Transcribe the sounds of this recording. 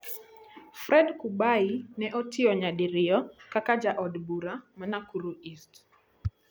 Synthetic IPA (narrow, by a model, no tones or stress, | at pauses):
fɾɛdkubainɛʔɔtɪɔɲadɪɾɪjɔkakad͡ʒaʔɔdbuɾamanakuɾuist